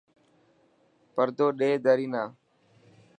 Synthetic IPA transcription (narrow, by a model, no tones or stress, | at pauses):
pəɾd̪oːɗeːd̪əɾiːnaː